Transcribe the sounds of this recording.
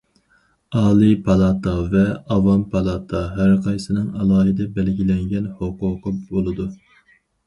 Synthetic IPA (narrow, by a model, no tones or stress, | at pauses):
ɑːlˠɨpʰɑlˠɑt̪ʰɑvɛɑvɑmpʰɑlˠɑt̪ʰɑɦæɾqʰɑjsɨnɨŋɑlˠɑːɦɨd̪ɛbɛlɡʲilɛŋɡʲɛnhoqʊːqʰəbolˠɨd̪u